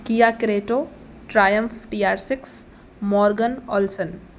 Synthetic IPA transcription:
kijakɾeːʈoː | ʈɾaːjəmfʈijaːɾsɪks | mɔːɾɡənɔlsən

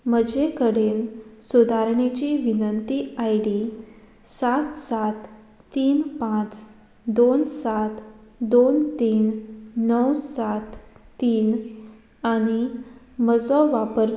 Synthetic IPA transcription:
m̤əd͡ʑekəɽ̤ensud̪ʱaɾɳet͡ɕiʋinənt̪iajɽi | sat̪sat̪ː | iːnpãt͡s | d̪onsat̪d̪ont̪iːnːəwsat̪ːiːn | aɽ̃i | məd͡zɔʋapəɾ

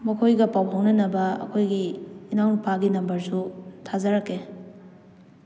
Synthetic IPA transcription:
mɐkʰojɡɐpawɦawnɐnɐbɐɐ̰kʰojɡiːnawnpaɡinɐmbɐɾsutʰazɐɾɐkːe

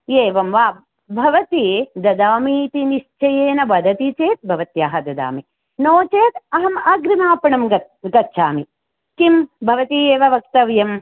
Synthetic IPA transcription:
jeːʋɐmʋaː | bʱɐʋɐt̪id̪ɐd̪aːmiːt̪iniʃt͡ʃɐjeːnɐbɐd̪ʱɐt̪it͡ʃeːt̪̚bʱɐʋɐt̪jaːɦɐd̪ɐd̪a̰ːmi | noːt͡ʃeːt̪ɐɦɐmɐɡɾimaːpɐɳɐmɡɐt̪̚ɡɐtːʃʰaːmi | kimbʱɐʋɐt̪ieːʋɐʋɐk̚t̪ɐʋjɐm

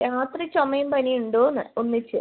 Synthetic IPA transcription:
jaːt̪rit͡ɕomɐjumpɐnijuɳɖoːnːɨonːit͡ɕːɨ

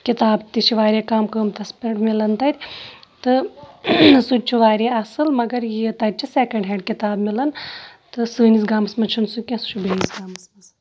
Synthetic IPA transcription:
kit̪aːbt̪it͡ʃʰiʋaːɾʲekaːmkəːmt̪ɐspɐʈmilɐnt̪ɐt̪ʲt̪ɨ | sut͡ʃʰuʋaːɾeɐsɨlmɐɡɐɾjit̪ɐt̚ʲt͡ʃʰiseːkɐɳɖɦeːɳɖ̚kit̪aːbmilɐnt̪ɨsɨːnis̬ɡaːmɐsmɐt͡ʃʰunsukʲẽst͡ʃʰubeːisɡaːmɐsmɐs

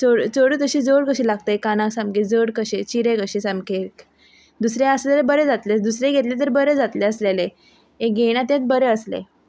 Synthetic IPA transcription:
t͡soɽt͡səɽuːt̪əɕiːd͡zoɽkəɕelaɡt̪əekanãksãmked͡zəɽkəɕet͡ɕiɾekəɕesamke | d̪usɾeəslelebəɾed͡zat̪led̪usɾeɡʱet̪let̪̬əɾbəɾed͡zat̪leəslele | eɡeɽ̃ãt̪et̪̚bəɾeəslḛ

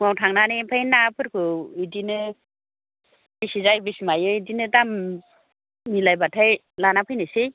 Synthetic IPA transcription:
ŋɔwtʰaŋnanipʰajnapʰɯɾkʰɯidinɯ | bisizajbisimajɯidinɯdam | ilajbatʰaj | lanapʰɯjnɯsij

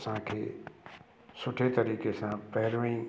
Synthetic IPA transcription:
sãkʰe | sʊʈʰet̪əɾiːkesãpɛɦɾʋĩː

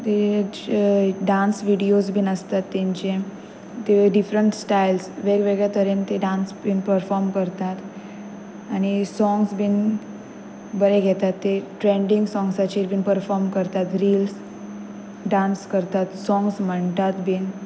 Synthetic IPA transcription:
t̪e | ɖãnsʋiɽiosbʱiːnəst̪at̪ːẽɲt͡ɕe | t̪eɖifɾəɳʈsʈailsʋeɡʋeɡɭjat̪əɾent̪eɖãnsbinpəɾfɔɾmkəɾt̪at̪ | añisɔ̃ŋɡsbiːn | bəɾeɡʱet̪at̪ːeʈɾẽɳɖĩŋɡsɔŋɡsat͡ɕeɾbʱiːnpəɾfɔɾmkəɾt̪at̪ɾiːls | ɖãnskəɾt̪at̪sɔ̃ŋɡsm̤əɳt̪at̪bʱiːn

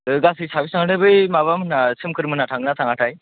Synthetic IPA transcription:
ɡasisaʋisãŋɡɳəbəjmaβamənasʰəmkəɾmənaʈʰãŋɡnat̪ʰãŋɡaʈʰaj

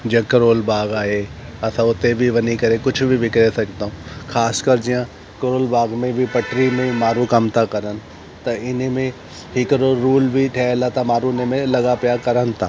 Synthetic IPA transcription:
d͡ʒẽkɐɾoːlbaːɡaːɦe | ɐt̪ʰãʊt̪ebʱiʋɐnikɐɾẽkʊt͡ʃʰbʱiʋɪkɾesɐkt̪aɦũkʰaːskɐɾd͡ʒijã | kɐɾoːlbaːɡmẽbʱipɐʈɾimẽmaːɾũkɐmt̪akɐɾən̆ | t̪ɐɪnemẽ | ɦɪkəɾoɾuːlbʱiʈʰɛːlat̪ʰamaːɾũɪnemẽlɐɡapijakɐɾənt̪ʰaː

